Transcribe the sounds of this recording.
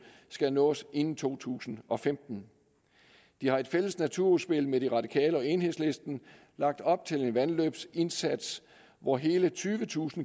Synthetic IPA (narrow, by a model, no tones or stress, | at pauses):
sɡ̥ænɔ̰̽ːse̝nn̩t͡sʰo̝̰ːt͡sʰṵːsn̩ɒ̽femd̥n̩ | d̥ihɑ̈e̝d̥fel̰əsnæt͡sʰuɐuðˠsb̥e̝lmeɾ̥iʁɑ̈d̥ikʰɛ̰ːləɒ̽e̝nhe̝sle̝sd̥n̩ | lɑ̈ɡ̥̚d̥ɒ̽b̥̚t͡sʰe̝le̝nʋænløːb̥se̝nsæd̥s | ʋɒɦe̝ːlət͡sʰyːʋət͡sʰṵːsn̩